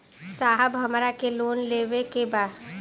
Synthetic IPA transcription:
saːɦəbɦɐmɾakeloːnleːʋekebaːd̪

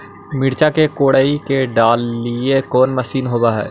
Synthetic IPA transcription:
mɪɽt͡ʃakekoːɽaːikeɖaːlːiekɔːnmɐsiːnɦoːbaɦɛ̰ː

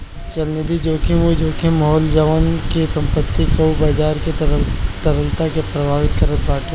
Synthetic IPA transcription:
t͡ʃɐlned̪id͡ʒoːkeʋod͡ʒoːkʰemɐɦɔːld͡ʒəʋənkesɐ̃mpət̪ːikoubaːd͡ʒaːɾket̪ɐɾəlt̪akepɾɐbʱaːʋɪt̪̚kəɾət̪baːke

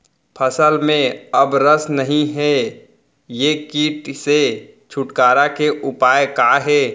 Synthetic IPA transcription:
pʰəsəlmẽɐbɾəsnɐɦĩɦɛ | jekiːʈse | t͡ʃʰʊʈkaːɾakeʔʊpaːjkaːɦɛː

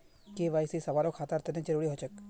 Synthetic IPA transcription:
keʋaːjsisɐʋaːɾokʰaːt̪əɾt̪ənẽd͡ʒəɾuːɽiɦoːt͡ʃək

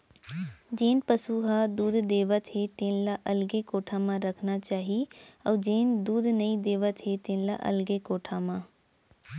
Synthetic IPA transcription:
d͡ʒeːnpəsuɦad̪uːd̪d̪eːʋət̪ɦet̪eːnlaʔɐlɡekoːʈʰãmãɾɐkʰnat͡ʃaːɦiɔːd͡ʒeːnd̪uːd̪nɐĩd̪eːʋət̪ɦet̪eːnla̰ʔɐ̰lɡekoːʈʰamãː

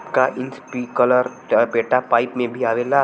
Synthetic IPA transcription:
kaʔɪnspiːkələɾ | peːʈapaːɪpmẽbʱiaːʋela

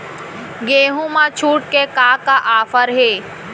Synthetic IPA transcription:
ɡeːɦũmãt͡ʃʰuːʈ̚kekaːkaʔaːfəɾɦeː

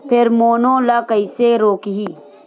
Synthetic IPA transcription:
pʰɪɾmoːnõːlakəiseɾoːkɦiː

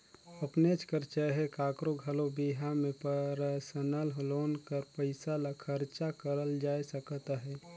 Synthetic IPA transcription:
əpnet͡ʃkəɾt͡ʃəɦekaːkɾoɡʱəlobiɦamẽpəɾəsənalɦloːnkəɾpəɪsalakʰəɾt͡ʃakəɾəld͡ʒaːjsəkt̪aɦɛː

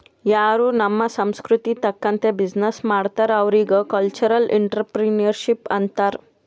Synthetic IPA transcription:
jaːɾuːnɐmːɐsɐmskɾut̪it̪ɐkːɐnt̪ebid͡ʒnesmaːɽt̪aːɾɐʋɾiɡɐkɐlt͡ʃɐɾɐlʔḭɳʈɾɐpɾinɐɾʃipɐnt̪aːɾ

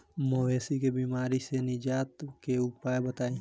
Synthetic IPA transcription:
moʋeːsikebiːmaːɾisenɪd͡ʒaːt̪keʊpaːebət̪aːĩ

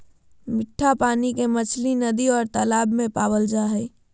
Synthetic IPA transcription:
mɪʈʰːapaːnikemət͡ʃʰlinəd̪iɔːɾt̪əlaːbmẽpaːbəld͡ʒaɦɛj

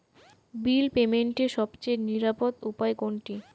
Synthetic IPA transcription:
bilpemeɳʈeʃɔbt͡ɕeniɾapod̪upaeɡoɳʈi

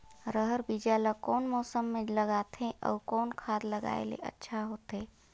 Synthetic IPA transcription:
ɾəɦəɾbid͡ʒaləkɔːnmɔːsəmːẽləɡaːt̪ɦẽʔɔ̰ːkɔːnkʰaːd̪ləɡa̰ːḛlḛʔə̰tːʃʰaɦoːt̪ɦeː

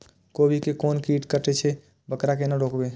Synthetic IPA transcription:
kobʱikekonkiʈkəʈet͡ʃʰɛ | bəkɾakenaɖokbe

